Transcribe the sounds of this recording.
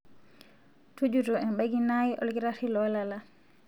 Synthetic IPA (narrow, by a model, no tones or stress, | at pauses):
tud͡ʒutɔɛnɓaɡinajiʔɔ̰lɡiɾatilɔlala